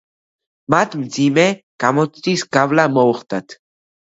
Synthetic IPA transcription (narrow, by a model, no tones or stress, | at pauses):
mat̪mt͡simekamot̪t͡siskavlamowχt̪at̪